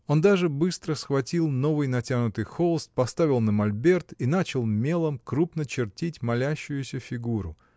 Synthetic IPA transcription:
o̞nd̪aʐɨbɨst̪ɾəsxvɐtʲilˠno̞vɨjnɐtʲanʊt̪ɨjxolˠəst̪̚pɐst̪avʲɪlˠnəmɐlʲbʲe̞rt̪inat͡ɕɪlˠmʲe̞lˠəmkɾupnət͡ɕɪrtʲitʲmɐlʲæɕːʊjʊsʲəfʲɪɡuɾʊ̰

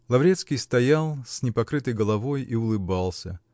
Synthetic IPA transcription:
lˠɐvɾʲet̪skʲijst̪ɐjalˠsʲnʲɪpɐkɾɨt̪əjɡəlˠɐvo̞jiʊlˠɨbalˠsʲə̰

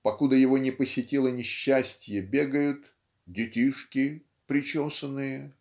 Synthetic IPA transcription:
pɐkud̪əjɪvo̞nʲɪpəsʲɪtʲilˠənʲɪɕːæsʲtʲjəbʲe̞ɡəjʊt̪ | dʲɪtʲiʂkʲɪ | pɾʲɪt͡ɕosənːɨjə

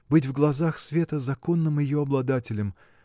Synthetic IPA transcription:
bɨtʲvɡlˠɐzaxsvʲe̞t̪əzɐko̞nːɨmjɪjoɐblˠɐd̪atʲɪlʲəm

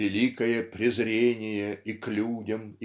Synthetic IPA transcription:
ɪlʲikəjəpɾʲɪzɾʲenʲɪjəiklʲudʲəmi

